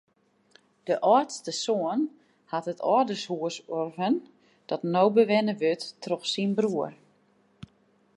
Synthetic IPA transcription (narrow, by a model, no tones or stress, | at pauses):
d̥əʔɔtstəsoən | hatɦətʰɔːrdərshuəsɔrvən | d̥ɔtnowbəʋɛnəʋøtːrɔxsinbruər